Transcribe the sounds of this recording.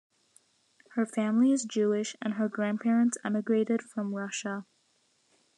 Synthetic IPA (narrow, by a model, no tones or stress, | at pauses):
hə˞fæ̃mliɨzd͡ʒʉɪʃɨ̃nə˞ɡɹæ̃npʰɛɹɨ̃ntsɛmɨɡɹeɪɾɨd̥fɹʌ̃mɹʌʃə